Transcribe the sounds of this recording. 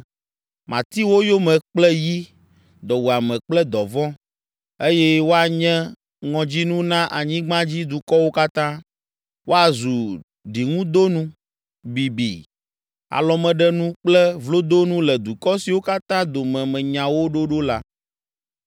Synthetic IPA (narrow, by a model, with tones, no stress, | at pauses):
mã˨t̪i˦wo˦jo˦mɛ̃˨k͡plɛ˦ji˦ | d̪ɔ˨wu˨a˨mɛ̃˨k͡plɛ˦d̪ɔ˨vɔ̃˦ | e˦jɛ˦wo˦a˨ɲɛ̃˦ | ŋɔ̃˨d͡ʑi˦nũ˦nã˦ʔa˨ɲĩ˦ɡ͡bã˦d͡ʑi˦d̪u˨kɔ˦wo˦ka˦t̪ã˦ | wʔo˦a˨zu˨ | ɖi˨ŋũ˦d̪o˦nũ˦ | bi˨bḭ˨ | a̰˨lɔ˨mɛ̃˨ɖɛ˦nũ˦k͡plɛ˦vlo˦d̪o˦nũ˦lɛ˨d̪u˨kɔ˦si˨wo˦ka˦t̪ã˦d̪o˨mɛ̃˨mɛ̃˨ɲã˨wo˦ɖo˦ɖo˦la˦